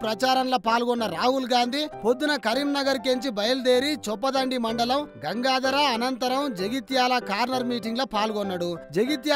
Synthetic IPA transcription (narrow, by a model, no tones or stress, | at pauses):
pɾɐt͡ʃaːɾɐmloːpaːlɡɔnːɐɾaːɦulɡaːnd̪ʱipo̞d̪ːunɐkɐɾiːmnɐɡɐɾkeɲt͡ʃibɐjɐld̪eːɾit͡ʃɔpːɐd̪ɐɳɖimɐɳɖɐlɐmɡɐŋɡaːd̪ɐɾɐːnɐnt̪ɐɾɐmd͡ʒeɡit̪jaːlɐkaːɾnɐɾmiːʈiŋɡloːpaːlɡɔnːɐɽud͡ʒeɡit̪ja